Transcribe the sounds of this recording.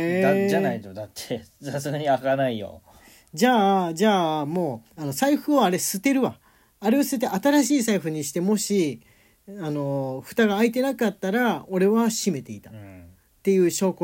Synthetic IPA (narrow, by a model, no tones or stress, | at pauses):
ed̪ad͡ʒanait̪od̪at̪ʰːesasɨɡaɲ̟iakanaijo̰ | d͡ʑaːd͡ʑaːmo̞ːano̞saiɸɯ̟oaɾe̞sɨt̪e̞ɾɯ̟βaː | ɾe̞osɨ̥t̪et̪ːeʔat̪aɾaɕiːs̬aiɸɯ̟ɲ̟iɕi̥t̪e̞mo̞ɕi | ano̞ɸɯ̟̥t̪aɡaːit̪̬e̞nakat̪ːaɾao̞ɾe̞βaɕime̞t̪e̞it̪a | t̪ːe̞jɯ̟ːɕo̞ːko